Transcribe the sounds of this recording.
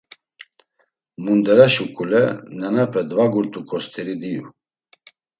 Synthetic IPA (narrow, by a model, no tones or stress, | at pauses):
mund̪ɛɾɛʃukʼulɛ̰nɛnɛpʰɛd̪vaɡuɾt̪ʼukʼɔst̪ʰɛɾid̪ijṵ